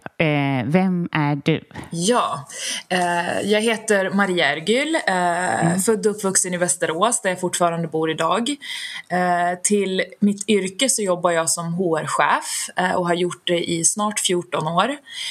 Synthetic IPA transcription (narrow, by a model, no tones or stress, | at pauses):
vɛmæɖʉ̰jɑː | jɑːɡɦeːt̪əɾmaɾiːaæɾɡʏːl | fœd̪ːɵpːvɵksənɪvɛst̪əɾoːsd̪æɾjafʊʈːfɑːɾand̪əbuːɾɪd̪ɑːɡ | t̪ʰɪlmɪt̪ʰːʏɾkəsɔjɔbːaɾjɑːɡsɔmɦuːæɾɧɛ̰ːfʔɔɦaɾjʊʈ̚ɖ̪ɛʔɪsnɑːʈfjuːʈɔnoːɾ